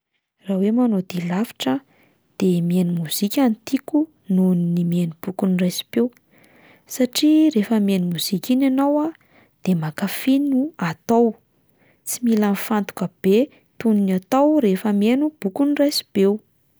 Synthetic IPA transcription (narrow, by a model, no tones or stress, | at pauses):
rawemanod̪ilafi̥ʈ͡ʂə | d̪̥emienumuz̥ikʲant̪iku | nuninimienub̥ukunrajsi̥bew | saʈ͡ʂiɾefəmenumuz̥ikʲinanawa | d̪̥emakafinuat̪aw | t͡similanfant̪u̥kəb̥e | t̪uninat̪awɾefəmenub̥ukunirajsi̥b̥ew